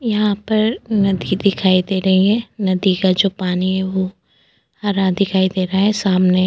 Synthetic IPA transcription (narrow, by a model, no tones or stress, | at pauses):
jɐɦãpɐɾnɐd̪ʱid̪ɪkʰaːid̪eːɾɐɦiɦɛnɐd̪ikad͡ʒoːpaːniɦɛʋo | hɐɾãd̪ɪkʰaːid̪eːɾaaɦɛsaːmne